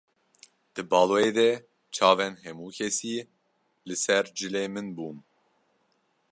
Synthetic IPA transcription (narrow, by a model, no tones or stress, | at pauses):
d̪̥ɨbɑːloːeːd̪ɛ | t͡ʃʰɑːvɛnɦɛmuːkʰʲɛsiː | lɨsɛɾd͡ʒɨleːmɨnbuːn